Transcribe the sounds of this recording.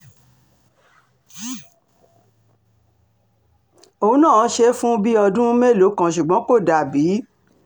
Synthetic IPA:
o˧˨ũ˦nã˦˨˦ʃe˦fũ˦bi˦ɔ˧dũ˦me˦˨lo˨˦kã˨ʃ̬u˨ɡ͡bɔ̃˨˦ko˦˨da˨bi˨˦

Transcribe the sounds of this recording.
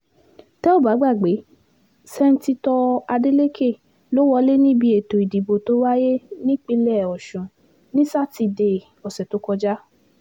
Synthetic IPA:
tɛ˦o˦˨ba˨˦ɡ͡ba˦˨ɡ͡be˨˦ | sɛ˧n̩˦ti˧tɔ˧a˧de˦le˦kʰe˦˨ | lo˨˦wɔ˧le˦nĩ˦bi˧e˨to˨i˨di˨bo˨to˨˦wa˦je˦nĩ˦k͡pi˧lɛ˦˨ɔ˨ʃũ˨ | nĩ˦sa˦˨ti˧de˧˨ | ɔ˨sɛ˨to˨˦kɔ˧d͡ʒa˦

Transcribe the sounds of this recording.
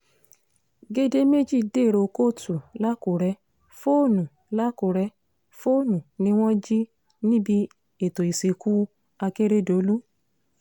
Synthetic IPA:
ɡe˦de˦me˦d͡ʒi˦˨de˦˨ɾo˧ko˦˨tu˨la˦ku˨ɾɛ˧˦ | fo˦˨nũ˨ | la˦ku˨ɾɛ˧˦ | fo˦˨nũ˨nĩ˧˦w̃ɔ̃˦d͡ʒi˦ | nĩ˦bi˧˦ | e˨to˨i˨si˨ku˦ | a˧ke˦ɾe˦do˨˦lu˦

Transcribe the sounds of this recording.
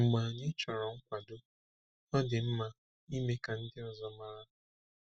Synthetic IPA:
ŋ͡m̩˨ɡ͡ba˨ɲɪ˦t͡ʃɔ˨ɾɔ˨ŋ̩˦kʷa˨dʊ˦ | ɔ˦dɪ˨m̩˦ma˦ | i˦me˦ka˨n̩˦dɪ˦ɔ˨zɔ˦ma˦ɾa˦

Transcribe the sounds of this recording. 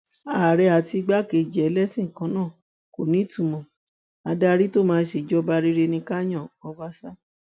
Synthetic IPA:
a˨ɾɛ˧˦a˨ti˧ɡ͡ba˦ke˧˨d͡ʒɛ˨˦lɛ˦sĩ˦˨kã˨˧˦nãː˦˨ | ko˨nĩ˨˦tũ˨˧mɔ̃˨ | a˧da˧ɾi˦to˦mãː˧˦ʃe˨d͡ʒɔ˦ba˧ɾi˦ɾe˧nĩ˧ka˦j̃ã˦˨ɔ˧˦wa˦sa˦

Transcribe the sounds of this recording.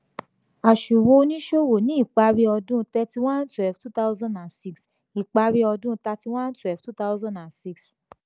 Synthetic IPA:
a˨ʃu˨wo˧nĩ˦ʃo˦wo˨nĩ˨˦i˦˨k͡pa˧ɾi˦ɔ˧dũ˦tɛ˧ti˧w̃ã˦n˦twɛ˨ftu˦ta˦ʊ˦zɔ̃˦ndã˨si˧ks | i˨k͡pa˧˦ɾi˦ɔ˧dũ˦˧ta˧ti˧w̃ã˦n˦twɛ˨ftu˦ta˦zɔ̃˦ndã˨nsi˦˧ks

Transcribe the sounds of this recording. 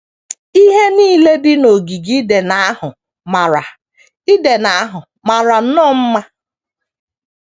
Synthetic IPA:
i˦ɦe˦niː˦le˦dɪ˦no˨ɡi˨ɡi˦de˨na˦a˦ɦʊ˨ | ma˨ɾa˨ | i˦de˨na˦a˦ɦʊ˨ | ma˨ɾa˨˦nɔ˦m̩˦ma˦

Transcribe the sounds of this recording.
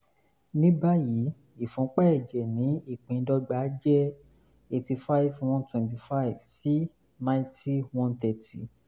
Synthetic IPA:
nĩ˦ba˦ji˨˦ | i˦˨fũ˨˦k͡pɛ˦ɛ˦˨d͡ʒɛ˨nĩ˨˦i˦˨k͡pĩ˨˧˦dɔ˧ɡ͡ba˨˦d͡ʒɛ˦ | e˧ti˧fa˦i˦vw̃ɔ̃˦ntwɛ̃˧nt̬i˧fa˦i˨vsi˦ | nã˧˦ti˦wɔ̃˦nt̪ɛ˨ti˨

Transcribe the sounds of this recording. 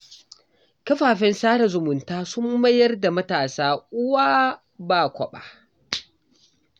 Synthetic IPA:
kɐ˦ɸaː˨ɸɛ˦nsaː˦ɽa˨zʊ˨mʊ˨ntaː˦sʊ˦mːɐ˦jɐ˦rda˨mɐ˦taː˨saː˦ʔʊ˦waː˦ | baː˨kʷɔ˨ɓa̰˨

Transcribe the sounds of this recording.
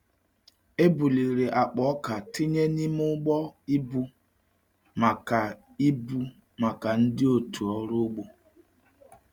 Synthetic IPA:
e˦bu˨li˨ɾe˨ʔa˨k͡pɔ˨˦ka˨tɪ˦ɲe˦ni˦m˦ʊ˦ɡ͡bɔ˦i˦bu˦ | ma˨ka˨ | i˦bu˦ | ma˨ka˨n̩˦dɪ˦o˨tu˨ɔ˦ɾʊ˦ɡ͡bo˦

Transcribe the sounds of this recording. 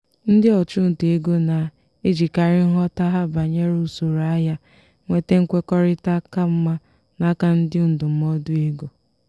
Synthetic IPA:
n̩˦dɪ˦ɔ˨t͡ʃʊ˦n̩˨tu˨e˦ɡo˦na˨ | e˦d͡ʒi˨ka˨ɾɪ˦n̩˦ɦɔ˦ta˦ɦa˦ba˨ɲe˦ɾu˦˨so˨ɾa˦ja˦ | ŋʷe˦te˦ŋ̩˦kʷe˦kɔ˦ɾɪ˦ta˦ka˦m̩˦ma˦ | na˦ka˦n̩˦dɪ˦n̩˨dʊ˨m̩˦mɔ˦dʊ˦e˦ɡo˨

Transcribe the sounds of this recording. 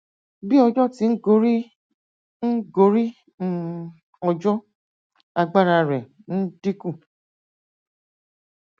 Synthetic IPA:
bi˦ɔ˧d͡ʒɔ˦ti˨˦n̩˦ɡo˦ɾi˦ | n̩˦ɡo˨˦ɾi˦ | ɔ˧d͡ʒɔ˦ | a˧ɡ͡ba˦ɾa˧ɾɛ˨ | n̩˦d̥i˦ku˦˨

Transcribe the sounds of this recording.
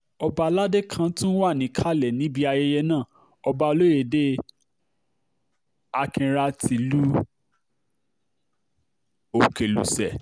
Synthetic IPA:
ɔ˧ba˧la˦de˦kʰã˧˦tũ˦n̩˦wa˦˨nĩ˨˦kʰa˦˨lɛ˨nĩ˨˦bi˧a˧je˧jɛ˧nãː˦˨ | ɔ˧ba˧lo˦je˨de˦ | a˧kĩ˧ɾa˧ti˨lu˦ | o˨ke˨lṵ˨sɛ˨

